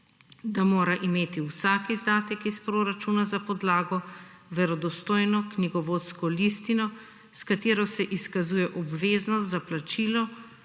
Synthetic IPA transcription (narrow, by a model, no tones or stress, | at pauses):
d̪amoːɾaʔimeːt̪iwsaːkizd̪aːt̪ɛkispɾoːɾat͡ʃunazapɔd̪laːɡɔ | ʋɛɾɔd̪ɔst̪oːjnɔkniɡɔʋoːt̪skɔlist̪inɔ | skat̪eːɾɔsɛʔiskazuːjɛʔɔbʋeːznɔs̬t̪zaplat͡ʃiːlɔ